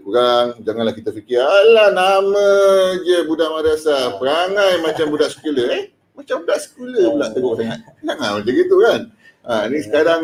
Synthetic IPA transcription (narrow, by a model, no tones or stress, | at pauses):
kuɾaŋd͡ʒaŋanlahkit̪əfikialanaməd͡ʒəbudaʔmadasapəɾaŋãjmat͡ʃambudaʔsə̥kuləɛh | mat͡ʃambudaʔsə̥kuləbəlaʔt̪əɡoʔt̪aŋat̪̚naŋamad͡ʒaɡit̪ukan | anĩsə̥kadaŋ